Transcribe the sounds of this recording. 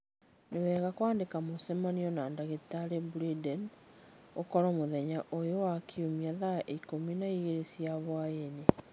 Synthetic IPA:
newɛːɣakwaːndekamosɛmaniɔnandaɣetaɾebuɾidɛn | okɔɾɔmoðɛɲaʔojowakʰiumiaðaʔkominaiɣeɾesiaβwaene

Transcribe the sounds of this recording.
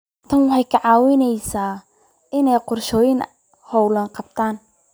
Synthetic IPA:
t̪ʰɐnwɑħɑjkʰɐʕɑːwɪnɛjsaː | ʔɪnɛjqʊrʃɔːjɪn | hɔwlɐnqɑb̚t̪ʰaːn

